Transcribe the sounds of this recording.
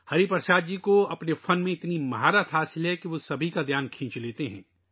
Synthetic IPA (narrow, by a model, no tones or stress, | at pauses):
hɐɾipɐɾʃaːd̪̚d͡ʒiːkoɐpnefɐnmẽɪt̪nimɐɦaːɾat̪ʰɦaːsɪlɦɛkiʋosɐbʱikad̪ʱjaːnkʰĩːt͡ʃleːt̪eɦɛ̰̃ː